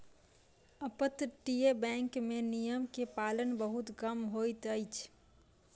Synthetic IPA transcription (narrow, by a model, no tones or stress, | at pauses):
əpət̪ʈiebɛ̃ŋkmẽnijəmkepaːlənbəɦut̪kəmɦojt̪əjt͡ʃʰ